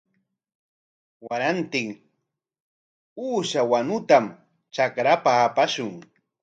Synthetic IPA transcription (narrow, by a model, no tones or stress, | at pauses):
waɾant̪ɪŋ | uːʃawanʊt̪am | t͡ʃakɾapaːpaʃʊŋ